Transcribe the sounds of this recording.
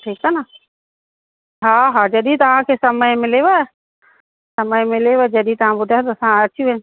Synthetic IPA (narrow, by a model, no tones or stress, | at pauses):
ʈʰiːkana | ɦãɦãd͡ʒɐɗit̪ɐʋãkʰesɐməjmɪleʋa | sɐməjmɪleʋad͡ʒɐɗit̪ʋ̤ãbʊd̪ʱat̪oɐsãɐt͡ʃʰiẽ